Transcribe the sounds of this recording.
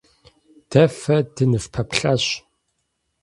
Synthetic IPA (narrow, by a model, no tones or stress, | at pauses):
d̥ɐfɐdɨnɨfpʰɐpɬaɕ